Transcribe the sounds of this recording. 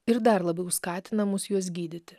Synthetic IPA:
ɪɾd̪ɐɾlˠɐbʲɛʊskɑːt̪ʲɪnɐmʊsjuɔs̬ɡʲiːd̪ʲɪt̪ʲɪ

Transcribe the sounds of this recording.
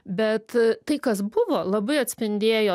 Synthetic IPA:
bʲɛt̪t̪ɐɪkɐsbʊʋoːlˠɐbɐɪɐt̪ʲsʲpʲɪnʲd̪ʲeːjoː

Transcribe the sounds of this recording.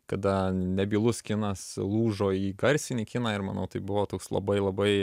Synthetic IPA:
kɐd̪ɐnʲɛbʲiːlˠʊskʲɪnɐslˠuːʒoːiːɡɐɾʲsʲɪnʲikʲɪnɑːɪɾmɐnɐʊt̪ɐɪbʊʋoːt̪oːkslˠɐ̰bɐɪlˠɐbɐɪ

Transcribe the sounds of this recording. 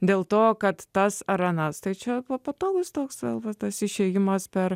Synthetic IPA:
d̪ʲeːlˠt̪oːkɐt̪t̪ɐsɐɾɐnɐst̪ɐɪt͡ʃʲɛpopɐt̪oːɡʊst̪oːksʋʲḛːlˠʋɐt̪ɐsɪʃʲeːjɪmɐspʲɛɾ

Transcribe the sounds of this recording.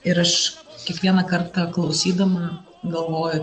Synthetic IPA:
ɪɾɐʃkʲɛkʋʲiɛnɐkɐrt̪ɐklˠɒʊsʲiːd̪ɐmɐ | ɡɐlˠʋoːjʊ

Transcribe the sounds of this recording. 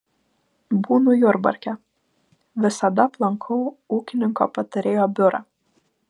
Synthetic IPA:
buːnʊjʊɾbɐ̰ɾʲkʲɛ | ʋʲɪsɐd̪ɐplˠɐŋkʰɐʊuːkʲɪnʲɪŋko̰ːpɐt̪ɐɾʲeːjoːbʲʊɾɐ̰

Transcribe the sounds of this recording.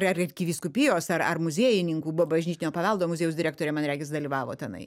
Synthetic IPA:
ɐrɪrʲkʲɪʋʲiːskʊpʲijoːsɐɾɐrmʊzʲeːjɪnʲɪŋkuːbobɐʒʲnʲiːt̪ʲɪnʲoːpɐʋɐlˠd̪oːmʊzʲeːjʊsdʲɪɾʲæːkt̪oːɾʲɛːmɐnɾʲæːɡʲɪs̬d̪ɐlʲiʋɑːʋo̰ːt̪ʲɛnɐ̰ɪ

